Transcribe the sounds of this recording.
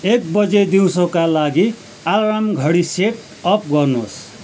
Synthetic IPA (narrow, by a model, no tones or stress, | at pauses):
ek̚bʌd͡zed̪iwsʌkalaɡi | alɾamɡʱʌɽiseʈ | ʌp̚ɡʌrnos